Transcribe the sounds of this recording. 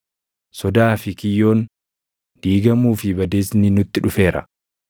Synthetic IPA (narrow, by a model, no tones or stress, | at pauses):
sɔd̪aːfɪkɪjːo̞ːn | d̪̥iːɡɐmuːfɪbɐd̪eːsnɪnʊt̪ːɪᶑʊfe̞ːɾɐ̰